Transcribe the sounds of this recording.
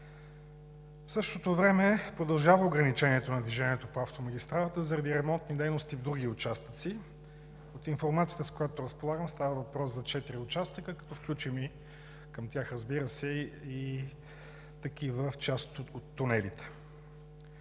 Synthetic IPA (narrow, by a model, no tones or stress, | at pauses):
fsɤʃt̪ot̪ovɾɛmɛpɾod̪ɐlˠʒavəoɡɾɐnit͡ʃɛniɛt̪onɐd̪viʒɛniɛt̪opoaft̪omɐɡʲist̪ɾalˠət̪əzɐɾɐd̪iɾɛmɔnt̪nid̪ɛjnost̪ivd̪ɾuɡiʊt͡ʃast̪ə̥t̪si | ot̪infoɾmat̪siət̪əskojat̪oɾəspolˠaɡəmst̪avəvɐpɾɔszɐt͡ʃɛt̪iɾiʊt͡ʃast̪əkəkɐ̥t̪ɔfklʲut͡ʃimi | kəmt̪ʲjaxɾɐzbiɾəsɛi | t̪ɐk̟ivəft͡ʃast̪ot̪ːʊnɛlit̪ɛ̥